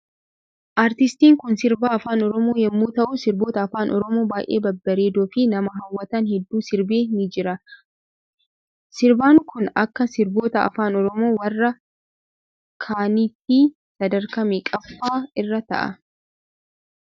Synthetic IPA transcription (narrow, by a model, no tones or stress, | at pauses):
ʔaːɾt̪ɪst̪iːŋkʊnsɪɾbaːɐfaːnɔɾɔmoːjɛmːuːt̪ɐʔʊsɪɾbo̞ːt̪ɐːfaːnʔɔɾɔmo̞ːbaːjʔḛːbɐbːɐɾeːd̪oːfɪnɐmɐɦɐwːɐt̪ɐnhɛd̪ːuːsɪɾbeːnɪd͡ʒɪɾɐ | sɪɾbaːŋkʊnɐkːɐsɪɾbo̞ːt̪ɐɐ̰faːnɔɾɔmo̞ːwɐrːɐ | kʰaːniːt̪ːi | sɐd̪ɐɾkɐmekʼɐfːaːɪrːɐt̪ɐ̰ʔɐ̰